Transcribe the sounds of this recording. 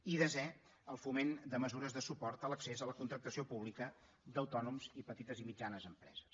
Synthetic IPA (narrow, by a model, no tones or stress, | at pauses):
iðəzɛ | əlˠfumend̪əməzuɾəzðəsupɔrt̪ələksezələkunt̪ɾək̚t̪əsiopuβlikə | d̪əwt̪ɔnumzipət̪it̪əzimid͡ʒanəzəmpɾɛ̰zəs